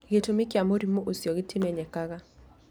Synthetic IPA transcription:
ɡetomɪkjamoɾimoʔusjoɡɪtʰimɛɲɛkaɣa

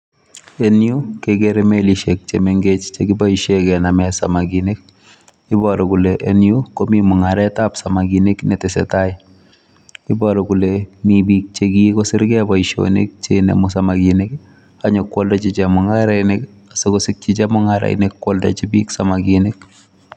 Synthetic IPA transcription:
enjukeɡeɾemeliʃek̚t͡ʃemeŋɡet͡ʃt͡ʃekibaiʃekɛnamɛsamaɡinek̚ | ɪbɔɾɔkuleʔenjukomimʊŋaɾɛtapsamaɡineknetɪsɛ̰taɪ | ɪbɔɾɔkulemibiːk̚t͡ʃekikosɪɾɡɛbaiʃo̰nḛk̚t͡ʃenḛmʊs̬amaɡinek | aɲɔkːwoldɔt͡ʃit͡ʃɛmʊŋaɾɛnek | asekosɪk̚t͡ʃit͡ʃɛmʊŋaɾa̰ḭnekːwolda̰t͡ʃibiksamaɡinek̚

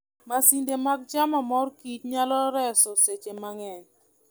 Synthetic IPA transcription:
masindemak̚t͡ʃamamɔrkit͡ʃɲalɔɾɛsɔset͡ʃemaŋɛn

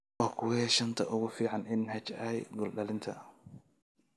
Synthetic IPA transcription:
ɔːkʰʊwhɛʃɐnt̪ʰɐʔʊɣʊfiːʕɑnɪnhɐt͡ʃɐhɛj̪ɡɔlɗɐlɪnt̪ʰɐ̰

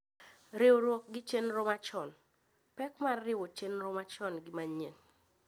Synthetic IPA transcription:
ɾɪwoɾwɔk̚ɡɪt͡ʃenɾomat͡ʃɔn | pɛkmarːɪwot͡ʃenɾɔmat͡ʃɔnɡɪmaɲen

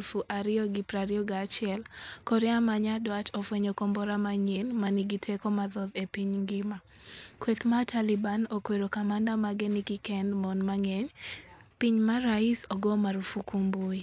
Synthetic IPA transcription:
lfuʔaɾɪɔɡipɾaɾɪɔɡat͡ʃɪɛlkɔɾɪamaɲadwatɔfweɲokɔmbɔɾamaɲenmaniɡitʰekomaðɔðepiɲŋɡɪma | kwet̪matʰalɪbanokweɾokamandamaɡenikikɛndmɔnmaŋeɲ | piɲmaɾaisɔɡɔmaɾufukumbui

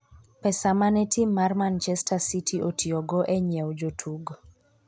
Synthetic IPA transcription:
pɛsamanɛtʰimːarmant͡ʃɛstʰasitʰiʔotʰiɔɡɔʔɛɲɛwd͡ʒotʰuɡ

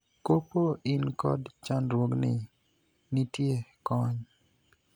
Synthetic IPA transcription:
kopoʔɪnkɔ̰dt͡ʃanɾwoɡnɪ̰ | nitjekɔɲ

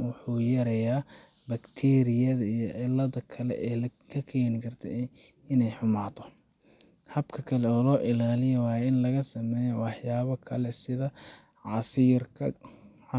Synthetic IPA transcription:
wʊħuːjɐɾɐjaːbɐkt̪ʰɛːɾɪjɐðɐijɔʕɪlːɐðɐkʰɐlɛ̰ʔɛːkʰɐkʰɛːnɪkʰɐrt̪ʰɛ̰ɪnɛjħʊmaːt̪ʰɔ | hɐbkʰɐkʰɐlɛɔːlɔːʔɪlaːlɪjwɑːjɛɪnlɐɣɐsɐmɛːjɔwɑħjaːβɐkʰɐlɛsɪðɐʕɑsiːrkʰɐ

